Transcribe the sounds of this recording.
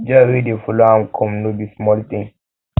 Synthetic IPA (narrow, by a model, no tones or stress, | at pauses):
d͡ʒawedefɔloãmkʰɔ̃mnobismɔlt̪ĩŋ